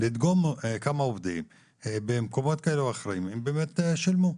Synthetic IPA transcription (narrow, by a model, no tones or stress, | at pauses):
lid̪ɡomkamaovd̪im | ebemkomo̞t̪̚kaeleaχɾaimembeːmet̪ʃilmu